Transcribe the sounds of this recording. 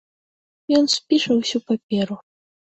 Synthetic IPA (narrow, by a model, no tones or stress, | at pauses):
jɔnsʲpʲiʂɐwsʲupapʲɛɾu